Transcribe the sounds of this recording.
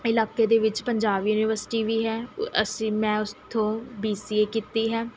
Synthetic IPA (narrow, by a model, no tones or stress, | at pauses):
ɪlaːkeːd̪eːʋɪt͡ʃpəɲd͡ʒaːʋjuːniʋəɾsɪ̥ʈiːʋiːɦɛːəsĩːmɛ̃ːʊst̪ʰõːbiːsiːeːkiːt̪iːɦɛː